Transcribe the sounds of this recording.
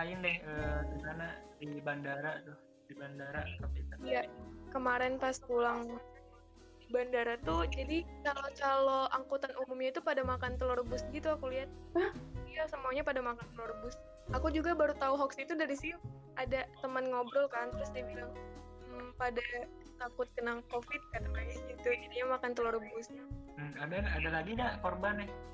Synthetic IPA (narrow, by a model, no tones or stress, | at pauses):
aɪndɛhəːd̪isanadibandaɾat̪ʊh | dibandaɾakapit̪aijakəmaɾɛnpaskulaŋ | bandaɾat̪ud͡ʒadit͡ʃalot͡ʃaloaŋkut̪anumumɲait̪upadamakant̪əlɔrbʊsɡit̪uakuliɦat̪̚ | ajasəmuaɲapadamakant̪əlɔrbʊs | ʔakud͡ʒuɡabaɾut̪auɦɔksit̪udaɾisi | ʔadat̪əmənŋobɾɔlkant̪əɾʊsdiabilaŋ | m̩pada | t̪akʊt̪̚kənaŋkofɪt̪̚kat̪əmaɲaɡit̪ud͡ʒidiɲamakant̪əlɔrbʊs̩adaadalaɡidakorbanɛh